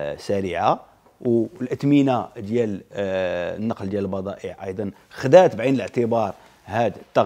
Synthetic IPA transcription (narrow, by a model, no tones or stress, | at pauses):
sæɾiʕa | wlʔət̪minad̪jæl | nːɑqld̪jæləlbɑd̪ˤɑʔiʕʔɑ̰jd̪ˤɑn | xd̪æt̪bʕinələʕt̪əbɑɾˤ | hæd̪ət̪ːɑ